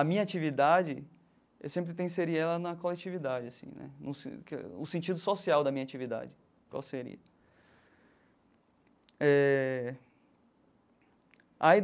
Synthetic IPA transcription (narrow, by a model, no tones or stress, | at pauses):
ɐmĩɲɐat͡ʃivid̪ad͡ʒɪ | ḛwsẽmpɾɪt̪̬ẽseɾiɐɛlɐnɐkolet͡ʃivid̪ad͡ʒɪasḭ̃nʔɛ̰nṵ̃skɛ̰ʊsẽnt͡ʃid̪ʊsosiawd̪ɐmĩɲat͡ʃivid̪a̰d͡ʒɪ | kwa̰wseɾḭɐ | ɛ | ai